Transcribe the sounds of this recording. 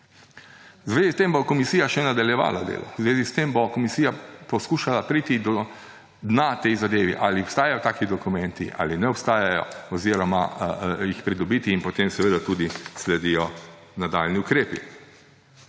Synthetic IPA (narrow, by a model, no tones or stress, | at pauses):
zʋezist̪embokɔmisiːjaʃɛnad̪aljɛʋa̰ːlad̪ḛːlɔwzʋeːzist̪embɔkɔmisiːjapɔskuːʃalapɾiːt̪id̪ɔ | d̪nat̪ejzad̪eːʋḭʔaːliɔpst̪aːjajɔt̪aːkid̪ɔkumɛnt̪iʔa̰ːlinɛɔpst̪aːjajɔ̰ɔziɾɔma̰jixpɾid̪ɔbit̪iːnpɔt̪emsɛʋeːd̪at̪ud̪islɛd̪ijɔ | nad̪aːlniukɾeːpi